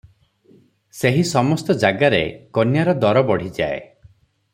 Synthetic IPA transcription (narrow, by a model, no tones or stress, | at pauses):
seɦisɔmɔst̪ɔd͡ʒaɡaɾḛkɔnjaɾɔd̪ɔɾɔbɔɽ̤id͡ʒa̰ḛ